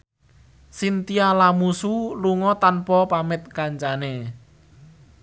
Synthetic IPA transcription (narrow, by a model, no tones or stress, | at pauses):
sint̪ialamusuluŋɔt̪anpɔpamɪt̪̚kaɲt͡ʃane